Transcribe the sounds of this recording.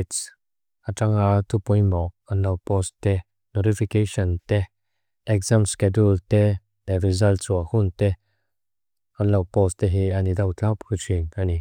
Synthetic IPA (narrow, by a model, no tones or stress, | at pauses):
ts | ʔaʈ͡ʂaŋat̪ʰupɔjmɔʔ | anlɐwpɔst̪ɛ | nɔtifikeʃɔnt̪ɛ | ʔɛkzamskɛdult̪ɛ | d̪̥arizɐlt͡suahunt̪ɛ | anlɐwpɔst̪ɛɦianid̪ɐwt͡ɬawpkʰut͡ʃiŋani